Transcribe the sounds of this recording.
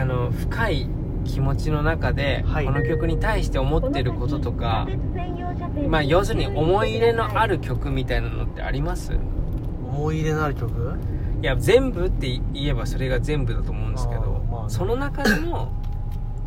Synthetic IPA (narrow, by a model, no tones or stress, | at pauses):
ano̞ɸɯ̟̥kʰai | kʲʰimo̞t͡ɕino̞nakad̪e̞ko̞no̞kʲo̞kɯ̟ɲ̟it̪aiɕi̥t̪e̞o̞mo̞t̪ːe̞ɾɯ̟ko̞t̪o̞t̪o̞ka̰ | maːjo̞ːsɨɲ̟iʔo̞mo̞iɾe̞no̞ʔaɾɯ̟kʲo̞kɯ̟mʲit̪ainano̞̰t̪ːe̞̰a̰ɾʲimasɨ̰ | omoiɾe̞noaɾɯ̟kʲokɯ | jazẽ̞mbɯ̟t̪ːe̞ie̞baso̞ɾe̞ɡazẽ̞mbɯ̟d̪at̪o̞ːmo̞ɯ̃nd̪ske̞̰d̪o̞̰so̞no̞nakad̪emo̞